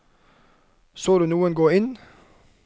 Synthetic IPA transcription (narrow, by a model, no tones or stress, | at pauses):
soːd̪ʉːnuːənɡoːɪn